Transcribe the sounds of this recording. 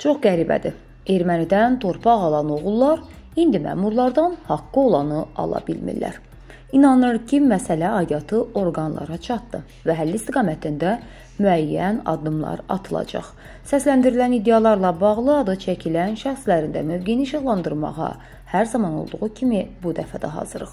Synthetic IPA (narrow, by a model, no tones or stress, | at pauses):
t͡ʃʰo̞χɡæɾibæ̰d̪ḭ | e̞ɾmænid̪ænt̪ʰo̞ɾpʰɑʁɑlˠɑno̞ʁulˠːɑɾ | ind̪imæ̰ːmuɾlˠɑɾd̪ɑnhɑkːɯo̞lˠɑnɯɑ̰lˠɑ̰bḭlmḭɾlæ̰ɾ | inɑnɯɾcʰimæsælæɑjɑt̪ʰɯo̞ɾɡɑnlˠɑ̰ɾɑt͡ʃʰɑt̪̚d̪ɯ | væɦælːist̪iɡɑmæt̪ʰind̪æ | myæjːænɑ̰d̪ːɯmlˠɑ̰ɾɑ̰t̪ʰɯlˠɑ̰d͡ʒɑ̰χ | sæslænd̪iɾilænid̪e̞jɑlˠɑɾlˠɑbɑʁlˠɯɑd̪ɯt͡ʃʰæcʰilænʃæxslæɾind̪æ̰møvɡeniʃɑɣlˠɑnd̪ɯɾmɑ̰ʁɑ̰ | hæɾzɑmɑno̞̰lˠd̪uʁucʰimibud̪æfæd̪æ̰ɦɑ̰zɯɾɯχ